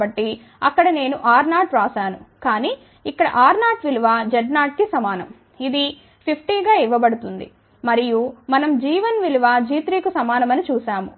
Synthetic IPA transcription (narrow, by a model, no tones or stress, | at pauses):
bɐʈːi | ɐkːɐɽɐne̞ːnuʔaːɾnaːʈɾaːsaːnukaːniː | ikːɐɽɐ̰ʔaːɾnaːʈʋiluʋaːd͡ʒɛɖnaːʈ̚kisɐmaːnɐ̰m | id̪i | pʰipʰʈiːɡaːiʋɐbɐɽut̪und̪ḭ | mɐɾijumɐnɐmd͡ʒiːʋɐnʋiluʋaːd͡ʒiːt̪ɾiːkusɐmaːnɐmɐnit͡ʃuːʃaːmṵ